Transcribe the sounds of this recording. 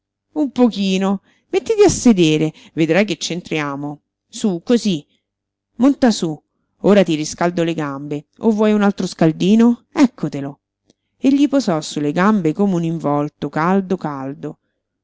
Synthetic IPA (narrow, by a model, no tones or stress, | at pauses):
umpokiːno | met̪ːid̪iasːed̪eːɾe | ved̪ɾajket͡ʃːent̪ɾjaːmo | sukozi | mːont̪asu | oːɾat̪iriskald̪oleɡambeovːɔjunalt̪ɾoskald̪iːnoɛkːot̪elo | eʎːipozɔsuleɡambekomeuniɱvɔlt̪okald̪okald̪o